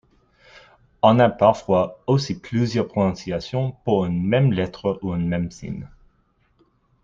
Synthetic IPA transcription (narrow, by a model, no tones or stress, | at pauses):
ɔ̃napaʁfwaosiplyzjœʁpχonɔ̃sjasjɔ̃puʁynmɛmlɛt̪χəʔuynmɛmsḭn